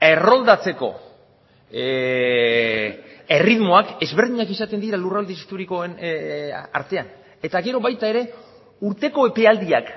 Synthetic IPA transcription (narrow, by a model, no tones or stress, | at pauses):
e̞ro̞ld̪at͡se̞ko̞̰ | e̞riðmo̞ake̞zβeɾðiɲakisat̪e̞nd̪iɾalurald̪ist̪uɾikoen | a̰ɾt̪e̞an | e̞t̪aɣe̞ɾo̞βajt̪ae̞ɾe̞ | uɾt̪e̞ko̞e̞pe̞ald̪iak